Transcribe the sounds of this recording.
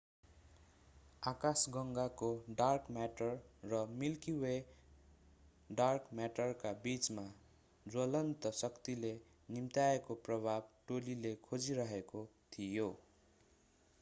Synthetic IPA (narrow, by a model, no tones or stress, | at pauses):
akasɡʌŋɡakoɖarkmaʈʌrːʌmilkiwe | ɖarkmaʈʌrkabit͡sma | d͡zʌlʌnt̪ʌsʌkt̪ile | nimt̪aekoprʌbʱab̚ʈolilekʰod͡ziɾʌɦekot̪ʰijo